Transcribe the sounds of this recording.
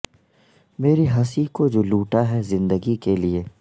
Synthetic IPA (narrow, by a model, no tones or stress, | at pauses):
meːɾiɦɐsikod͡ʒoːluːʈaɦɛzɪ̃nd̪əɡikelieː